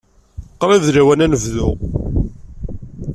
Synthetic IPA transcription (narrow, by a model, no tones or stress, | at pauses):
qːɾˤivðɾæwænænəvðʊ